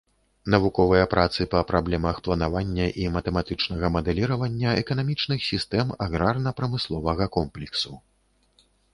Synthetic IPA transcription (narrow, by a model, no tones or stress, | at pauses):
nɐvukɔvɨjɐpɾʔat̪sɨpɐpɾablʲɛmɐxplˠɐnavanʲːɐʔimɐt̪ɛmat̪ɨt͡ʂnɐɣɐmɐd̪ɛlʲiɾɐvɐnʲːɐɛkɐnamʲit͡ʂnɨxsʲist̪ɛmaɣɾarnɐpɾɐmɨslˠɔvɐɣɐkɔmplʲɛksu